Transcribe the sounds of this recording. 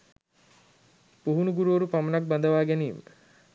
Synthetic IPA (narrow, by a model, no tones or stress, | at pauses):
puɦunuɡuɾuoɾupamɐnak̚band̪əʋaːɡæniːmə̰